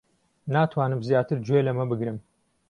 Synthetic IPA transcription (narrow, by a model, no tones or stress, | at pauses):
naːt̪ʰwaːnɨmzjaːt̪ɨɾd͡ʒwelɐmɐbɨɡɾɨm